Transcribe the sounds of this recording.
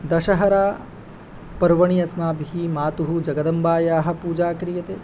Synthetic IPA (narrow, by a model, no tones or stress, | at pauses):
d̪ɐʃɐɦɐɾaː | pɐɾʋɐɳijɐsmaːbʱiɦimaːt̪uɦud͡ʒɐɡɐd̪ɐmbaːjaːɦɐ̆puːd͡ʒaːkɾijɐt̪eː